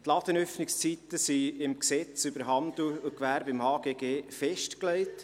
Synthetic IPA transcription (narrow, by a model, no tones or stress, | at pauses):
t̪lɑːd̪̥ənœfnɪkst͡sit̪əsiɪmksɛt͡sybəɾɦɑnd̪lʊkʋæːɾbɪmhɑːɡ̥eːɡeːfɛʃtklɛɪt